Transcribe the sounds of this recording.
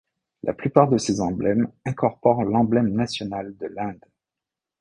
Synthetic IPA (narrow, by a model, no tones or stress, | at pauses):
lʔa̰plypaʁd̪əsezɑ̃blɛmɛ̃kɔʁpɔʁlɑ̃blɛmnasjɔnald̪əlɛ̃d̪